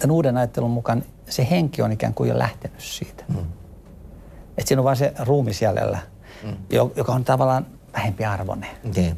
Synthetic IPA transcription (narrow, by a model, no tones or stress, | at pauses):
onuːdenɑjɑt̪ːelummukɑn | seheŋkionikæ̰ːŋkuḛjo̰lʔæ̰ht̪enyssḭːt̪ | et̪siːnoʋɑːseruːmisjælḛlːæ | jojokɑont̪ɑʋɑlːɑːn | ʋæhempiɑrʋo̰neni